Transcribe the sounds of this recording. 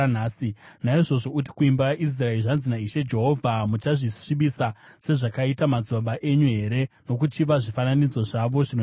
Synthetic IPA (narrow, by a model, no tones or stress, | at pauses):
naːsinaiʐo̞ʐo̞ut̬i̥kuimbaʔis̬raerʐanzinaiʃe̞d͡ʒe̞ɦo̞vʱamut͡ʃaʐiʂiɓisa | se̞ʐakaitamad͡zoɓaʔe̞ɲuɦe̞ɾe̞no̞k̬ut͡ʃiʋaʐifananid͡zo̞ʐaʋo̞ʐino